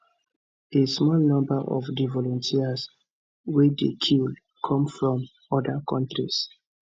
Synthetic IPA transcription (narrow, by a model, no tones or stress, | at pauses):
esmɔlnɔ̃mbaʔɔ̰fdivɔlɔ̃ntʰias | wedekʰil | kʰɔ̃mfɹɔ̃m | ɔdakʰɔ̃ntɹḭs